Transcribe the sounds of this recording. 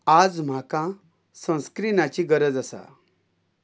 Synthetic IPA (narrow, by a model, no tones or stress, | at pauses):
ad͡zm̤akã | sə̃w̃skɾinat͡ɕiɡəɾəd͡zəsa̰